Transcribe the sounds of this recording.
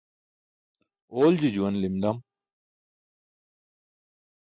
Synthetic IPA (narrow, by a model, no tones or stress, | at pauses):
oːld͡ʑid͡ʑuwɐnlimd̪ɐm